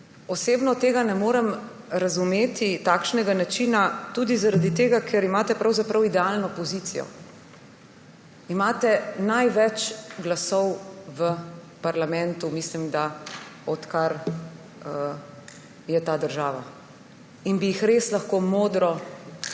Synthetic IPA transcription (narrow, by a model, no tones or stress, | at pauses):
ɔseːbnɔt̪eːɡanɛmoːɾɛm | ɾazumeːt̪it̪aːkʃnɛɡanat͡ʃiːnat̪uːd̪izaɾad̪it̪eːɡakʰɛɾimaːt̪ɛpɾawzapɾawid̪ɛalnɔpɔziːt̪sijɔ̰ | imaːt̪ɛnajʋɛt͡ʃɡlasɔwʋə | paɾlamɛ̃nt̪umislimd̪aɔt̪kaɾ | ə | jɛt̪aːd̪əɾʒaːʋa̰ | inbijixɾeːslaxkoːmoːd̪ɾɔ